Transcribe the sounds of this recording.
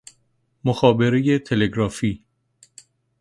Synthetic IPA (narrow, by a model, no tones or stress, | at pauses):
moxɒːbe̞ɾejet̪ʰe̞leɡɾɒːfiː